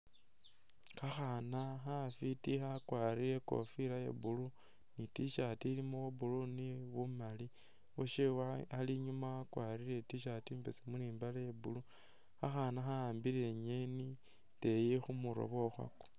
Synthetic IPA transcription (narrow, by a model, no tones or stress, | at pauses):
kaxanaxafitixakwaːɾiɾeko̞̰fiɾajḛbulu | nitiʃatilimuwuβuluniβumali | oʃewaaliɲumaakwaːɾile̞tiʃatiːmbesimuniːmbalejebulu | xaxanaxaaːmbileɲeni | tejixumuɾo̞̰βo̞xwa̰ko̥